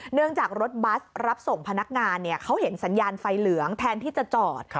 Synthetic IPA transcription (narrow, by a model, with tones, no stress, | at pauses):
nɯ˥˩əŋt͡ɕaː˨˩k̚ɾo˦˥t̪̚ba˦˥sɾa˦˥p̚so˨˩ŋpʰa˧na˦˥k̚ŋaː˧nːi˥˩ɐkʰa˦˥wɦe˩˦nsa˩˦njaː˧nfa˧jlɯ˩˦əŋt̪ʰɛː˧nt̪ʰiː˥˩t͡ɕa˨˩t͡ɕɔː˨˩t̪̚